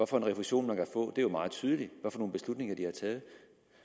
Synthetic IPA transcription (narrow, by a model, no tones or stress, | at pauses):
ʋɒfɒ̽enʁɛfuɕo̝̰ːnmænkʰæfɔ̰̽ːd̥e̝æɐjomɑ̈ːð̩ˠt͡sʰyːð̞ˠəliʋɒfɒno̝ːnb̥e̝slud̥ne̝ŋɐd̥ihɑ̈t͡sʰɛːð̞̩ˠ